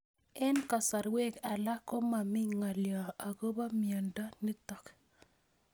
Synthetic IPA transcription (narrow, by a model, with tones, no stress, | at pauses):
ɛ˦nka˨sa˨ɾwe˦ka˨la˦ko˦ma˨mɪ˦ŋa˨ljɔ˨a˨ɡo˦ba˦mjɔ˨nda˦ni˦tɔ˨k